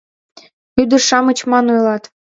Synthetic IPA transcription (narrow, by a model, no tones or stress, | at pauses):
yd̪ə̆rʃɑmə̆t͡ɕmɑnojlɑt̪